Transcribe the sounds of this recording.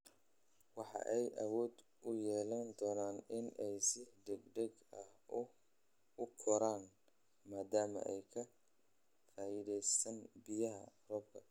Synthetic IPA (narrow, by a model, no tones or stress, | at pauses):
wɑħɑ̰ʔɛjʔɐwɔːd̪ | ʊjɛːlɐnd̪ɔːnaːnɪnʔɛjsɪɖɛɡɖɛɡɐhʊ | ʊkʰɔɾaːn | maːd̪aːmɐ̰ʔɛjkʰɐ | faːʔɪðɛjsɐnbɪjɐɦɐ̰rɔːb̚kʰɐ